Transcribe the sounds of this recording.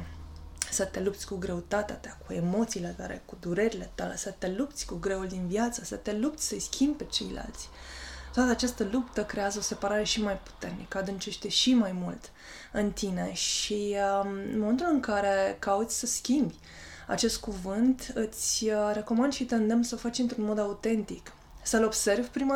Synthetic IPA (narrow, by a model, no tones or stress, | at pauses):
sət̪e̞lup̚t̪sʲkuɡɾe̞ut̪at̪eat̪akue̞mo̞t̪silet̪a̰le̞̰kud̪uɾe̞ɾile̞t̪ale̞sət̪e̞lup̚t̪sʲkuɡɾe̞uld̪invjat̪səsət̪e̞lup̚t̪sʲsəjskʲʰimb̚ʲpe̞t͡ʃe̞̰jla̰lt̪sʲ | t̪oat̪əat͡ʃast̪əlupt̪əkɾe̞azəo̞se̞paɾaɾe̞ʃimajpu̥t̪e̞rnḭkəad̪ɨnt͡ʃe̞ʃt̪eʃimajmult̪ | ɨnt̪ine̞ʃi | moment̪ulɨŋkaɾe̞kaut̪sʲsəskʲimbʲ | a̰t͡ʃe̞st̪̚kuvɨnt̪ɨt̪sʲɾe̞komand̪ʃit̪eɨnd̪emsəofat͡ʃɨnt̪ɾunmo̞d̪aut̪e̞nt̪ik | səlo̞bse̞rvpɾima